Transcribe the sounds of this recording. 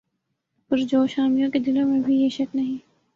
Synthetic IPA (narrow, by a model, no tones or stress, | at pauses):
pʊɾd͡ʒoːʃaːmijõked̪ɪlõmẽbʱijeʃɐknɐɦĩː